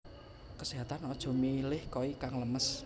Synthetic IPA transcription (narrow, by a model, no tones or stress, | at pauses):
kəsiɦat̪anɔd̥ʒ̥ɔ̤milɪhkɔikaŋləməs